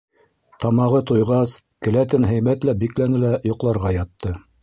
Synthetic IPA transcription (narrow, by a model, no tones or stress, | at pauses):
t̪ɑmɑʁɤt̪ujʁɑs | kɘ̆læt̪ɘnɦɘ̆jmæt̪læbiklænɘlæjŏqlˠɑɾʁɑjɑt̪ːɤ